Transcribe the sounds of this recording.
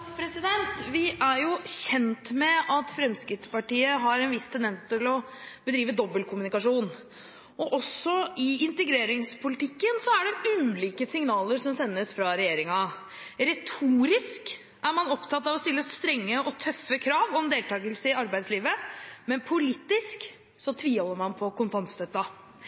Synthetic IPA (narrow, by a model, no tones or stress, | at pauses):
pʰɾɛsɪd̪ɛnt̪ʋɪʔæɾjʊɕɛnt̪mɛɑt̪fɾɛmskɾɪt̪spɑʈiːəɦɑɾɛnʋɪst̪ʰɛnd̪ɛnst̪ʰɪlɔ | bəd̪ɾiːʋəd̪ɔbːəlkʰʊmʉnɪkɑʂuːn | ɔʔɔsɔɪɪnt̪əɡɾeːɾɪŋspʰʊlɪt̪ʰɪkːənsɔæɖɛʉːliːkəsɪŋnɑːləɾʂɔmsɛnːəsfɾɑɾɛjeːɾɪŋɑ | ɾɛt̪ʰuːɾɪsk | ʔæɾmɑnɔpt̪ʰɑt̪ːɑʋɔst̪ɪlːəst̪ɾɛŋːəɔt̪ʰœfːəkʰɾɑːʋɔmd̪eːlt̪ɑːɡəlsəɪɑɾbæɪd̪sliːʋəmɛnpʰʊliːt̪ɪsk | sɔt̪ʰʋiːhɔlːəɾmɑnpʰɔkʊnfɑnst̪œt̪ːɑ